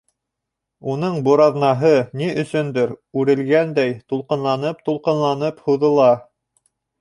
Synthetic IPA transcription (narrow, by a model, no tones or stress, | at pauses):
unɤɴbŭɾɑðnɑɦɤniʔɵ̆sɵnd̪ɘɾʉɾɘ̆lɡænd̪æjt̪ulˠqɤ̆nlˠɑnɤp̚t̪ulˠqɤ̆nlˠɑnɤphŭðɤ̆lˠɑ